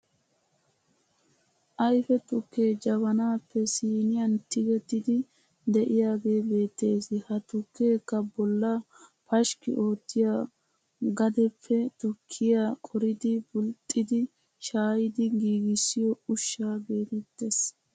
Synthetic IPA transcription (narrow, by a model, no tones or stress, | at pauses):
ʔɐjfɛt̪ʊkːe̞ːd͡ʒɐβɐnaːpːɛsiːnɪjɐnt̪ɪɡɛt̪ːɪd̪ɪ | d̪ɛʔɪjaːɡe̞ːbe̞ːt̪ːe̞ːsɪhɐt̪ʊkːeːkːɐbɔlːɐ | pɐʃkɪ̰ʔo̞ːt̪ːɪja | ɡɐd̪ɛpʰːɛt̪ʊkʰːɪjakʼɔɾɪd̪ɪbʊlt̪ʼːɪd̪ɪ | ʃaːjɪd̪ɪɡiːɡɪsːɪjɔʊʃːaːbe̞ːt̪ɛt̪ːe̞s